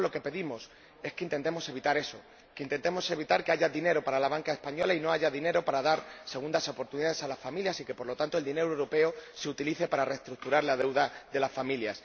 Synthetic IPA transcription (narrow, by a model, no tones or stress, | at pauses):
lo̞ke̞pe̞ðimo̞s | e̞ske̞int̪e̞nt̪e̞mo̞se̞β̞it̪aɾe̞so̞ | keint̪e̞nt̪emo̞se̞βit̪aɾke̞aʝaðine̞ɾo̞paɾalaβ̞aŋkae̞spaɲo̞laino̞aʝaðine̞ɾo̞paɾaðaɾse̞ɣ̞und̪aso̞po̞ɾt̪uniðaðe̞salasfamiljasike̞po̞ɾlo̞t̪ant̪old̪ine̞ɾowɾope̞ose̞ut̪iliθe̞paɾare̞st̪ɾuk̚t̪uɾaɾlaðe̞wðaðe̞lasfamiljas